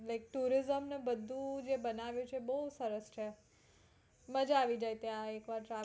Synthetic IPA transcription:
lajk̚ʈuɾizəmnebəd̪ʱːũd͡ʒebənaʋjũt͡ʃʰeːbəɦusəɾəst͡ʃʰe | məd͡ʒaːʋid͡ʒajt̪jãekʋaɾʈɾa

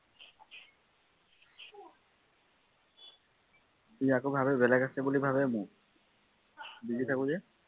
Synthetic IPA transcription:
iakobʱabɛbɛlɛɡasɛbulibʱabɛmʊk | biɡitʰakʊ̃zɛ

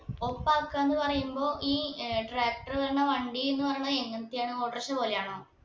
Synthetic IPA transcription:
opːaːokːaenːɨpɐrɐjumbo̞ːʔiːʈraːk̚ʈɐrðeɳːɐʋɐɳɖienːɨpɐrɐjunɐðɨeŋːɐnt̪ːijaːɳɨo̞ːʈːɐrɕɐpo̞ːlejaːɳo̞ː

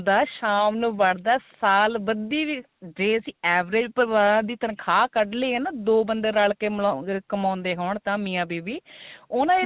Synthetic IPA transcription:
d̪aːʃaːmnũːʋəɽd̪aːsaːlbəd̪iːʋiː | d͡ʒeːəsĩːɛːʋɾeːd͡ʒpəɾʋaːɾãːd̪iːt̪ənkʰaːkəɖleiːɦnaːd̪oːbənd̪eːɾaːɭkeːkəmãːnd̪eːɦoːɳt̪ãːmiːãːbiːʋiːʊːnãːe

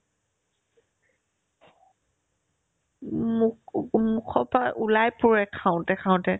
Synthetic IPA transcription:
mukʰɔpaʔulajpʊɹɛkʰaʊ̃tɛkʰãʊ̃tɛ

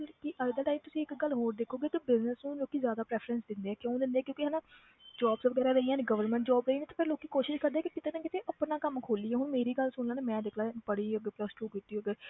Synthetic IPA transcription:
lkɪʔaːɪd̪əʈaːimt̪ʊsĩːɪkɡəlːɦoːɾd̪eːkʰːoːɡeːkibɪznəsnũːloːkiːzjaːd̪aːpɾɛːpʰɾənsd̪ɪnd̪eːɛːkjõːd̪ɪnd̪eːɛːkjõːkɪɦənaː | d͡ʒɔːbsʋəɡɛːɾaːɾəijãːneːɡəʋəɾmɛ̃ɳʈ̚d͡ʒɔːbɾɦĩːndẽt̪aːpʰɪɾloːkiːkoːʃɪʃkəɾd̪eɛːkɪkɪt̪eːnãːkɪt̪eːʔəpnãːkəmkʰoːliːɦɛːɦʊɳmeːɾiːɡəlsʊnlãːneːmɛ̃ːd̪ekʰlaːpəɽiːəɡəpləsʈuːkɪt̪ːiːəɡəɾ

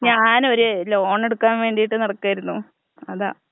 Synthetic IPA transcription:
ɲaːnoɾeloːɳe̞ɽukːaːnʋe̞ːɳɖijiʈːɨnɐɽɐkːaːjiɾunːu | ɐða̰ː

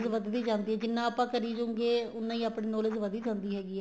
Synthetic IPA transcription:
zʋəd̪d̪iːd͡ʒãːnd̪iːɦɛ̃ːd͡ʒɪnːãːaːpãːkəɾiːd͡ʒõːŋɡeːʊnːãːĩːaːpɳẽːnoːlɪzʋəd̪iːd͡ʒãːnd̪iːɦɛːɡiːɛː

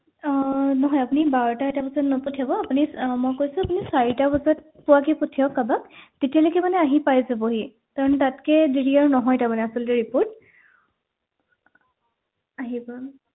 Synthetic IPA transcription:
nɔɦɔjapunibaɹɔtaetabɔsɔtnɔpɔtʰiabɔapunimɔjkojsʊapunisaɹitabɔsɔt̚ | puwakipɔtʰijɔkːabak̚tetialokɛmanɛaɦipajzɛboɦi | taɹɔntatkɛdiɹiaɹnɔɦɔjtamanɛasɔltiɹipoɹt̚ | aɦibɔ

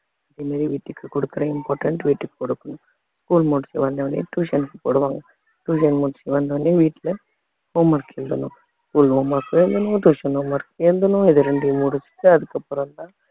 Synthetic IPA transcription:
ɐðeːmaːɾiʋiːʈːɯkːɨkɔɽɯkːɪɾɐɪmpaːɾʈɐɳʈʋiːʈːɯkːkɔɽɯkːɐnũ | skuːlmuɽsiʋɐnd̪ɐʋɐnḭʈuːʃɐnkːɯpoɽuʋaːŋɡɐ | ʈuːʃɐnmuːɽsiʋɐnd̪ɐʋɐɳɖiʋiːʈːlɐ | hoːmɐɾkend̪ɐnũ | skuːloːmɐɾkːɯend̪ɐnũʈuːʂɐnoːmɐɾkend̪ɐnũɪðɯɾeɳɖimuɽusi̥kːɯɐðɯkːɐpɔɾɐnd̪ãː

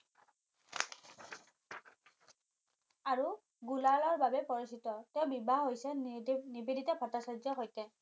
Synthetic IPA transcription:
aɹu | ɡulalɔɹbabɛpɔɹisitɔtɛʊ̃bibaɦojsɛnibiditɛpʰɔtasɔzɔxojtɛ

